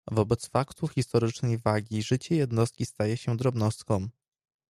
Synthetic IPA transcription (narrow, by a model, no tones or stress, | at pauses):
vɔbɛt̪sfakt̪uxʲist̪ɔɾɘt͡ʂnɛjvaɡʲiʐɘt͡ɕɛjɛd̪nɔst̪̚kʲist̪ajɛɕɛd̪ɾɔbnɔst̪̚kɔ̃w̃